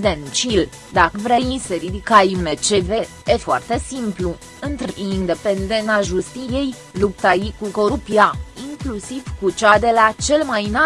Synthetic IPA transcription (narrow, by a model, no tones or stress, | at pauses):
d̪ent͡ʃil | d̪akəvɾejiseɾid̪ikajumet͡ʃeve̞ | efoa̰rt̪e̞simplu | ɨnt̪ɾiind̪e̞pend̪enaʒust̪ije̞j | lupt̪ajikuko̞ɾupiaiŋklusivkut͡ʃad̪e̞lat͡ʃe̞lmajna